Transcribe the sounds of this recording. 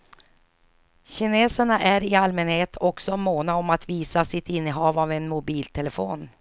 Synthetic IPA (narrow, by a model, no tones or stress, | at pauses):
ɕɪneːsəɳaʔæɾɪalmɛnheːt̪ʰɔksɔmoːnaɔmat̪viːsasɪt̪ɪnːəɦɑːvavɛnmʊbiːlt̪ʰɛləfoːn